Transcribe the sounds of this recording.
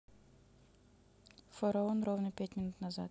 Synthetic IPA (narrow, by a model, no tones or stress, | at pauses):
foɾɐonrovnəpʲæt̪ʲmʲɪnut̪nɐza̰t̪